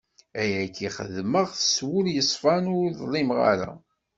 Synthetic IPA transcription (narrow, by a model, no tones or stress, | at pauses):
æjækːiχə̰ðməʁθəswʊljəsˤfænʊɾðˤlˤːimʁa̰ɾæ̰